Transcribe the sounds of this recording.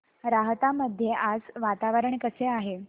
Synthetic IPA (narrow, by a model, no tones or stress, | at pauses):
ɾaɦt̪aməd̪ʱjeʔad͡zʋat̪aʋəɾəɳkəseaɦe